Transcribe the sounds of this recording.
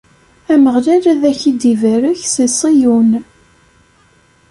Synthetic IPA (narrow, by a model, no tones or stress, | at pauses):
æməʁlælæðæçid̪ivæɾəçsisˤijun